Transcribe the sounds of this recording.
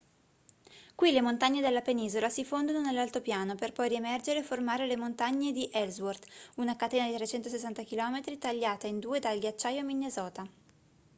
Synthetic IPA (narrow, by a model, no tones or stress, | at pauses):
kwilemont̪aɲːed̪elːapeniːzolasifond̪ononelːalt̪opjaːnoperpɔjɾiemɛrd͡ʒeɾeːformaːɾelemont̪aɲːed̪iʔɛlzword̪unakat̪eːnad̪it̪ɾet͡ʃɛnt̪osesːant̪akilɔːmet̪ɾit̪aʎːaːt̪aind̪uːed̪alɡjat͡ʃːaːjominːezɔːt̪a